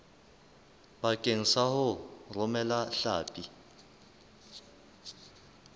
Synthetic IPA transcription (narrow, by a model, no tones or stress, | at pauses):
bakʼeŋ̩sahʊrʊmɛlaɬaːpʼi